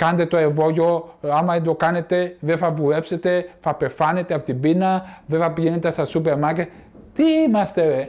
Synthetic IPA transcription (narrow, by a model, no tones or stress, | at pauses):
kɐnt̪e̞t̪oevo̞ʝo̞ɐmɐed̪o̞kɐne̞t̪e̞vefɐvuɾepse̞t̪e̞fɐpe̞fɐne̞t̪eɐpot̪ibinɐvefɐpiʝenet̪est̪ɐsupeɾmɐce | t̪iimɐst̪e̞